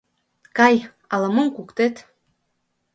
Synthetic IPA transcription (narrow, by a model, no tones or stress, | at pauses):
kɑj | ɑlɤ̆mɤmkukt̪et̪